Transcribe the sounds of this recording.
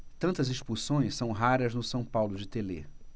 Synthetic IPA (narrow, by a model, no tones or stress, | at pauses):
t̪ɐ̃nt̪ɐziʃpuɾsõj̃ssːɐ̃w̃ɦaɾɐznʊsɐ̃w̃pawlʊd͡ʒɪt̪ele